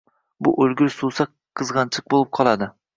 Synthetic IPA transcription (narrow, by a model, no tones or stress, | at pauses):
bʊ̰ʔɵlɡʲɪɾsusa | qʰːɨzʁɑnt͡ʃʰɨq̚bolˠɨp̚qʰɒlˠad̪ɪ